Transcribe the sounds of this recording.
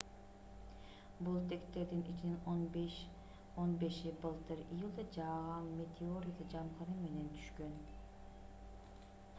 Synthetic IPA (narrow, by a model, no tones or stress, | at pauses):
bulˠt̪ʰekt̪ːe̞ɾd̪inʔit͡ʃininobʃ | o̞nbe̞ʃibɯlˠt̪ɯɾijɯlˠd̪ɑd͡ʒɑʁɑnme̞t̪ʰʲeoɾʲjad̪ɑd͡ʒɑmqɑnɯme̞ne̞nt̪ʰy̥ʃkøn